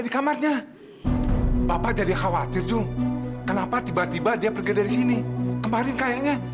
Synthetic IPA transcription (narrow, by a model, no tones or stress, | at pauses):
adikamarɲa | bapad͡ʒadixawat̪ɪrd͡ʒʊŋkənapat̪ibat̪ibadiapərɡidaɾisinikəmaɾɪnkajaʔɲa